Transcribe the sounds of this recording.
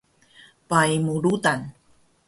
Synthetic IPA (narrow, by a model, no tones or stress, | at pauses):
pajmuɾut̪an